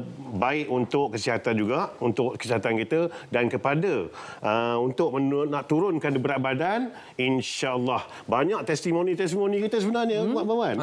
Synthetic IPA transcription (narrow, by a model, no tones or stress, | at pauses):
baɪʔunt̪ʊʔkːəsiɦat̪and͡ʒuɡaʔunt̪ʊʔkə̥siɦat̪ankit̪ədankəpadaəunt̪ʊʔ̚mənaʔt̪uɾʊnkandibəɾaʔ̚badan | inʃaəlːah | baɲãʔ̚t̪ɛst̪imõnĩt̪ɛst̪imonikit̪əs̬əbənarɲəbwaʔbawan